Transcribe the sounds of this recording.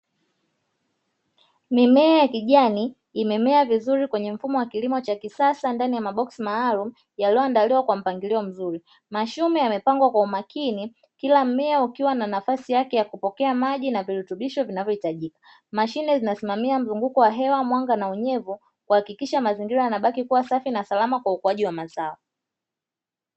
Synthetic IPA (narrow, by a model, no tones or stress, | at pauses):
mimɛajakiʄaniː | mɛmɛavizuɾikwɛɲɛm̩fumɔwakilimɔt͡ʃakisasandanijamaɓɔksimaːlumu | jaliɔandaliwakwam̩paŋɡiliɔm̩zuɾi | maʃumɛjamɛpaŋɡwakwaumakini | kilam̩mɛaukiwananafasijakɛjakupɔkɛamaʄinaviɾutuɓiʃɔvinavjɔhitaʄikḁ | maʃinɛzinasimamiam̩zuŋɡukɔwaɦɛwamwaŋɡanauɲɛvu | kuhakikiʃamaziŋɡiɾajanaɓakikuwasafinasalamakwaukuaʄiwamazaɔ